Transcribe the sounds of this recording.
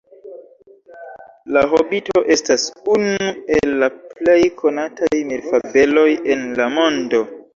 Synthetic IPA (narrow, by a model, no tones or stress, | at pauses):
laɦobito̞ʔe̞stasunuue̞lːaple̞jkʰo̞natʰajmiɾfabe̞lo̞je̞nlamo̞ndo̞